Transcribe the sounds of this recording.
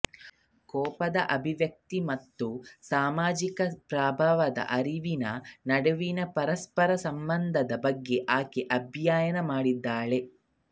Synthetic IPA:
kɔːpɐd̪ɐʔɐbʱiʋjɐk̚t̪imɐt̪ːusaːmaːd͡ʒikɐpɾaːbʱaʋɐd̪ɐ̰ʔɐɾiʋinɐnɐɽɐʋinɐpɐɾɐspɐɾɐsɐmbɐnd̪ʱɐd̪ɐbɐɡːe̞ʔaːkeʔɐbʱjaːjɐnɐmaːɽid̪ːaːɭe̞

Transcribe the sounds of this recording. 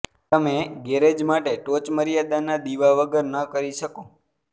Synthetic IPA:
t̪əmeɡeɾed͡ʒmaʈeʈot͡ʃməɾjad̪anad̪iʋaʋəɡəɾnəkəɾiʃəko

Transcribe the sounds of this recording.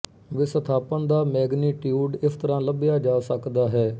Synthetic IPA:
ʋɪsət̪ʰaːpənd̪aːmɛːɡniːʈjuːɖɪsʰt̪əɾãːləbɪjaːd͡ʒaːsəkd̪aːɦɛː

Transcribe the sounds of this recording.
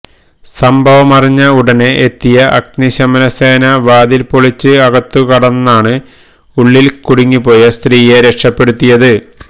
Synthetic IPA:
sɐmbʱɐʋɐmɐriɲːɐuɽɐneʔet̪ːijɐʔɐk̚niɕɐmɐnɐseːnɐʋaːd̪ilpoɭit͡ɕːɨɐɣɐt̪ːukɐɽɐnːaːɳɨ | uɭːilkuɽiŋːipo̞ːjɐst̪riːjeɾekʂɐpːe̞ɽut̪ːijɐðɨ

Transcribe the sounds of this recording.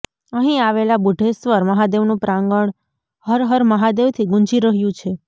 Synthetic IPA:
əɦĩaʋelabuɖʱesʋəɾməɦad̪eʋnũpɾãŋɡəɳ | həɾɦəɾməɦad̪eʋt̪ʰiɡũɲd͡ʒiɾəɦjũt͡ʃʰe

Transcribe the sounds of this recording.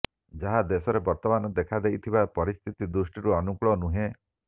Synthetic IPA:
d͡ʒaɦad̪esɔɾebɔɾt̪ɔmanɔd̪ekʰad̪ejt̪ʰibapɔɾist̪ʰit̪id̪ɾusʈiɾuɔnukɭɔnuɦẽ

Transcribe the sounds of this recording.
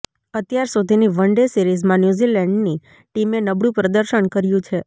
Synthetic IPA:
ət̪jaɾsud̪ʱiniʋəɳɖesiɾizmãnjuzilɛ̃ɳɖni | ʈimenəbɽũpɾəd̪əɾʃəɳkəɾjũt͡ʃʰe

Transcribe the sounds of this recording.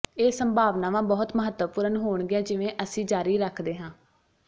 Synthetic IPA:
eːsəmbʱaːʋnãːʋãːbɔːt̪məɦət̪əpuːɾənɦoːɳɡɪãːd͡ʒɪʋẽːʔəsĩːd͡ʒaːɾiːɾəkʰd̪eːɦãː

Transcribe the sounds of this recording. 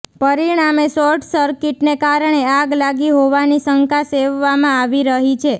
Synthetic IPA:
pəɾiɳ̃amesɔɾʈʰsəɾkiʈnekaɾɳ̃eaɡlaɡiɦoʋanisəŋkaseʋːamãaʋiɾəɦit͡ʃʰe

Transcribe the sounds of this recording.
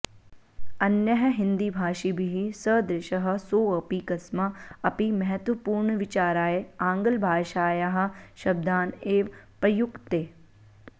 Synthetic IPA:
ɐnjɐɦɐɦɪ̃nd̪ibʱaːʃibʱiɦisəd̪ɾɪʃəɦɐ̆soːɐpikɐsmɐɐpimɐɦət̪ʋəpuːɾɳʋɪt͡ʃaːɾaːeãːŋɡəlbʱaːʃaːjaɦɐ̆ʃɐb̚d̪aːneːʋpɐjʊkt̪eː

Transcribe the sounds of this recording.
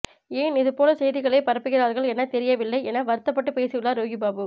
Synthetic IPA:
eːnɪðɯpoːlɐsɛjðɪɣɐɭɐɪpɐɾɐpːɯɣɪɾaːðɣɐɭɛnːɐt̪ɛɾɪjɐʋɪɭːɐɪɛnːɐʋɐɾɯt̪ːɐpːɐʈːɯpeːsɯʋɪɭːaːɾoːɣibaːbɯ

